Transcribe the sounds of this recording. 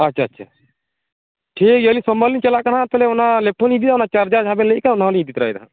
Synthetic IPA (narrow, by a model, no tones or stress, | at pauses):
atːʃʰaːtːʃʰa̰ | ʈʰikjəlĩsɔməlint͡ʃɛlaʔkaɽat̪ɛlɛɔnalɛpʰɔnid̪id̪aɔnat͡ʃaɾd͡ʒad͡ʒɦabɛleʔkaɔnaɔliid̪it̪ɾajd̪a̰